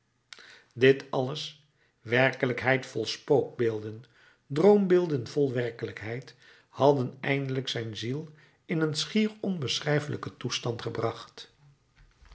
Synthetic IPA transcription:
dɪtɑləs | ʋɛrkələkɦɛjtfɔlˠspowɡ̚beːlˠdən | drowmbɪːlˠdənvɔlˠʋɛɹkələkɦɛjt | hɑdənɛjndələksɛjnzilˠ | ɪnənsχiːrɔnbəsrɛjfəlʔəkətustɑntχəbrɑχt

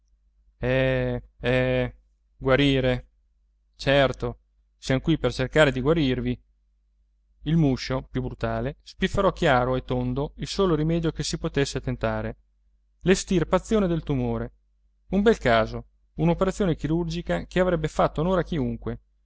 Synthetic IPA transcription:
ɛ | ɛ | ɡwaɾiːɾe | t͡ʃɛrt̪o | sjankwipert͡ʃerkaːɾed̪iɡwaɾirvi | ilmuʃːopjubɾut̪aːlespifːeɾɔk̟jaːɾoet̪ːond̪oilsoːloɾimɛːd̪jokesipot̪esːet̪ent̪aːɾe | lest̪irpat̪sːjoːned̪elt̪umoːɾe | umbɛlkaːzo | unopeɾat̪sːjoːnekiɾurd͡ʒikak̟eavɾɛbːefat̪ːonoːɾak̟iuŋkwe

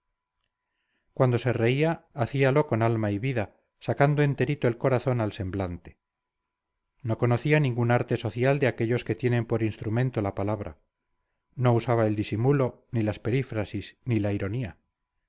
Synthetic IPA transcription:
kwand̪o̞se̞re̞iaːθialo̞ko̞nalmaiβiða | sakand̪oe̞nt̪e̞ɾit̪oe̞lko̞ɾaθo̞nalse̞mblant̪e̥ | no̞ko̞noθianĩŋɡunaɾt̪e̞so̞θjald̪eake̞ʎo̞ske̞t̪je̞ne̞mpo̞ɾinst̪ɾumẽ̞nt̪o̞lapalaβ̞ɾa̰ | no̞usaβae̞ld̪isimulo̞nilaspe̞ɾifɾasisnilaiɾo̞nia

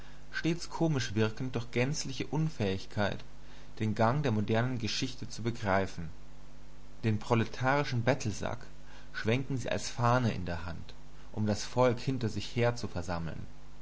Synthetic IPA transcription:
ʃteːt͡skʰoːmɪʃv̥ɪɐkn̩t̚d̥ɔɐxɡ̥ɛnt͡slɪçəʔʊnfɛːɪçkʰaɪt | d̥eːnɡaŋdeːɐmodɛɐnənɡəʃɪçtət͡subəɡʁaɪfn̩ | d̥eːnpʁ̥oletʰaːʁ̞ɪʃn̩bɛtʰl̩za̰k | ʃv̥ɛŋkn̩ŋ̩zḭːʔa̰lsfaːnəʔɪ̰ndeːɐɦant | ʔʊmdasfɔlkhɪntɐzɪçheːɐt͡sufɛɐzaml̩n

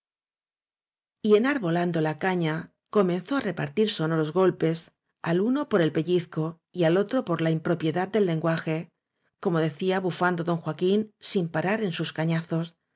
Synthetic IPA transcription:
ie̞naɾβo̞land̪o̞lakaɲa | ko̞mẽ̞nθo̞are̞paɾt̪iɾso̞no̞ɾo̞zɣo̞lpe̞s | aluno̞po̞ɾe̞lpe̞ʎiθko̞ | ialo̞t̪ɾo̞po̞ɾlaimpɾo̞pje̞ðad̪̚d̪e̞lːe̞ŋɡwaxe̞ | ko̞mo̞ðe̞θiaβufand̪o̞ðo̞ŋxwakinsimpaɾaɾe̞nsuskaɲaθo̞s

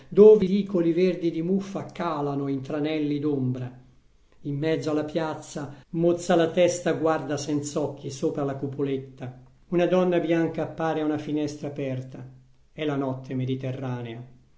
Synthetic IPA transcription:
d̪oːvd̪iːkoliverd̪id̪imufːakaːlanoint̪ɾanɛlːid̪ombɾa | imːɛd̪zːoalːapjat̪sːamot̪sːalat̪ɛst̪aɡward̪asɛnt̪saɔkːisoːpɾalakupolet̪ːa | unad̪ɔnːabjaŋkaːpːaːɾeaunafinɛst̪ɾaːpɛrt̪a | ɛlanɔt̪ʰːemed̪it̪erːaːnea

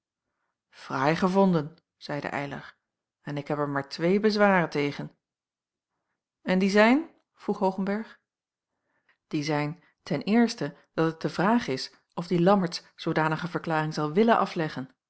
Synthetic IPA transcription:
v̥rɛjχəvɔndən | z̥ɛjdə̰ʔɛ̰jlɑ̰χ | ɛnɪkɦɛpɛɹmaːɹtʋejbəzʋaːrəntejχən | ɛndizɛjn | v̥ruχɦowχənbɛɹχ | d̥izɛjn | tɛnɪːɹstə | d̥ɑtət̚dəvraːχɪs | ɔvdilɑməɹtssowdaːnəχəvəɹklaːrɪŋzɑlˠʋɪlənʔɑflɛχən

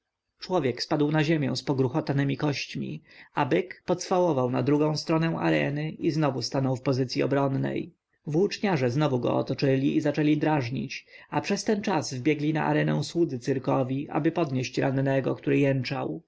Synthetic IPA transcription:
t͡ʂwɔvʲjɛkspad̪wnaʑemʲjɛ̰̃w̃spɔɡɾuxɔt̪anɘmʲikɔɕt͡ɕmʲḭabɘkpɔt̪sfawɔvawnad̪ɾuɡɔ̃w̃st̪ɾɔnɛw̃a̰ɾɛ̰nɘʔiznɔvust̪anɔwfpɔzɘt̪sʲjiɔ̰bɾɔnːɛ̰j | vwut͡ʂɲaʐɛznɔvuɡɔ̰ɔ̰t̪ɔt͡ʂɘlʲiʔizat͡ʂɛlʲid̪ɾaʐɲḭt͡ɕapʂɛst̪ɛnt͡ʂazvbʲjɛɡlʲina̰ʔa̰ɾɛnɛ̰̃w̃swud̪zɘt̪sɘɾkɔvʲiʔa̰bɘpɔd̪ɲeɕt͡ɕɾanːɛɡɔ̰kt̪uɾɘjɛnt͡ʂaw

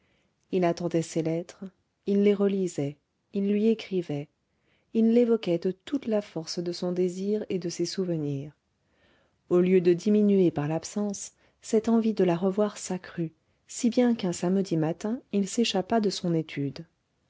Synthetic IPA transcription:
ilat̪ɑ̃d̪ɛselɛt̪χ | ilːeʁəlizɛ | ilːɥiekχivɛ | ilːevɔkɛd̪ət̪ut̪lafɔʁsd̪əsɔ̃d̪eziʁed̪əsesuvəniːʁ | oljød̪əd̪iminyepaʁlapsɑ̃sː | ɛt̪ɑ̃vid̪əlaʁəvwaʁsakχy | sibjɛ̃kɛ̃samd̪imat̪ɛ̃ilseʃapad̪əsɔ̃net̪ʰyd̪

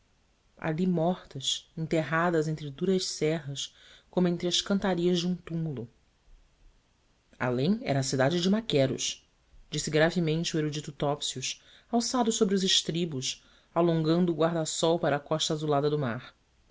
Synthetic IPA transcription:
a̰limɔχt̪ɐsẽt̪eɦad̪ɐzẽñt̪ɾɪd̪uɾɐʃsɛɦɐskõmʊẽnt̪ɾɪɐʃkɐ̃nt̪aɾiɐzd͡ʒɪũt̪umulu | a̰lẽj̃ɛ̰ɾɐːsid̪ad͡ʒɪd͡ʒɪmakɛɾʊ̰ʃ | d͡ʒisɪɡɾavɪmẽnt͡ʃɪueɾud͡ʒit̪ʊt̪ɔpsiʊs | awsad̪ʊʃsobɾɪʊzɪʃt̪ɾibʊs | alõŋɡɐ̃nd̪ʊːɡwaɾd̪asɔwpaɾɐːkɔʃt̪ɐazulad̪ɐd̪ʊmaɾ

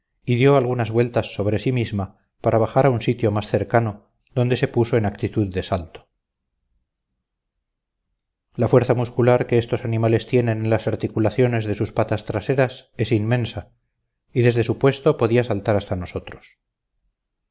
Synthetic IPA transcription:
iðjo̞alɣunazβwe̞lt̪asːo̞βɾe̞simizma | paɾʔaβaχaɾaunsit̪jo̞masθe̞ɾkano̞ | ðo̞nd̪e̞sepuso̞enakt̪it̪uðːe̞salt̪o̥ | lafwe̞ɾθamuskulaɾkeest̪o̞sanimale̞st̪je̞nenenlasaɾt̪ikulaθjo̞ne̞zðe̞suspat̪ast̪ɾase̞ɾase̞sinmẽ̞nsa | iðe̞zðe̞supwe̞st̪o̞po̞ðiasalt̪aɾast̪ano̞so̞t̪ɾo̞̥s

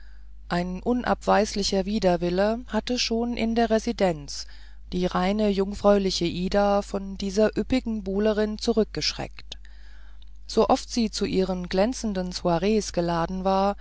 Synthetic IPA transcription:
ʔaɪnʔʊnʔa̰pv̥aɪslɪçɐviːdɐvɪləhatəʃoːnʔɪ̰ndeːɐʁɛzidɛnt͡s | d̥iːʁaɪnəjʊŋfʁ̥ɔʏlɪçəʔiːdafɔndiːzɐʔʏpɪɡŋ̩buːləʁ̞ɪnt͡suʁʏk̚ɡ̥əʃʁ̥ɛ̰kt | z̥oʔɔftz̥iːt͡suʔiːʁənɡlɛnt͡sn̩dənsuaʁeːsɡ̥əlaːdn̩vaːɐ

